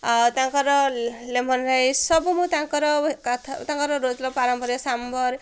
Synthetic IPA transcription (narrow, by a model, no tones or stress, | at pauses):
t̪ãŋkʌɾʌlemʌnɾajsʌbumut̪ãŋkʌɾʌkat̪ʰt̪ãŋkʌɾʌɾod͡zlʌpaɾʌmpʌɾjosambʌɾ